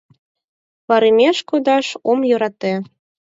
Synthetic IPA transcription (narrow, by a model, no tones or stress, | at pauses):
βɑɾimʲeʃkod̪ɑʃomjɤ̆ɾɑt̪e